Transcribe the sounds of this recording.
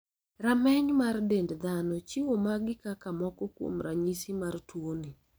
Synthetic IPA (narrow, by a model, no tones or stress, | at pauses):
ramɛɲmardendd̪anɔt͡ʃiwomaɡɪkakamɔkɔkwo̰mɾaɲisimartwoni